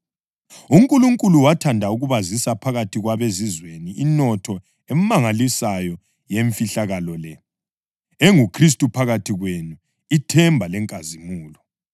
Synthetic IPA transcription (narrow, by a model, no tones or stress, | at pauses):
uŋkʼuluŋkʼuluwatʰandʱauɣuβazisapʰaɣatʰiɣwaβezizweniinɔtʰɔ | em̩maŋalisajɔ | jeɱfiɬaɣalɔlɛ | eŋukʰris̬tʼupʰaɣatʰiɣwenu | itʰɛmbʱalɛŋkʼazimuːlɔ